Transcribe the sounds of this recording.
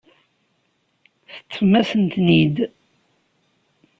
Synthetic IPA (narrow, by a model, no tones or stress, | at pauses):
θə̥t͡sːəmæsənt̪nid̪